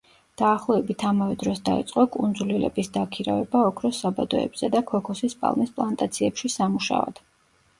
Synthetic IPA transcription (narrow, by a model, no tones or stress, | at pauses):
d̪̥aːχlˠɔɛbit̪ʰamavɛd̪ɾɔsd̪aḭt̪sʼqʼɔkʼund̪zulilɛ̰bisd̪akʰiɾa̰vɛbaɔkʰɾɔsabad̪ɔɛ̰bz̥ɛd̪akʰɔkʰɔsispʼa̰lˠmispʼlˠant̪ʼat̪sʰiɛpʃisamuʃa̰ɔ̰d̪̥